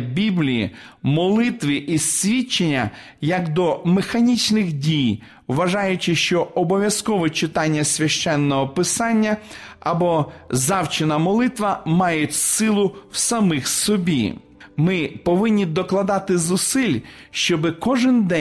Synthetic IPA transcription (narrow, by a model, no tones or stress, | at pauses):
bʲiblʲijḭmɔlˠɪt̪ʋɪʔisʲʋʲit͡ʃːenʲːɐ | jɐkd̪ɔmexɐnʲit͡ʃnɪxdʲij | wʋɐʒɑjʊt͡ʃɪʃt͡ʃɔɔbɔʋʲjɐskɔʋɛt͡ʃɪt̪ɑnʲːɐsʲʋʲɐʃt͡ʃɛnːɔɦɔpɪsɑnʲːɐɐbɔzɑwt͡ʃɪnɐmɔlˠɪt̪ʋɐmɑjʊtʲsɪlˠʊwsɐmɪxsɔbʲḭ | mɪpɔʋɪnʲːid̪ɔklˠɐd̪ɑt̪ɪzʊsɪlʲʃt͡ʃɔbɪkɔʒɪnd̪ɛ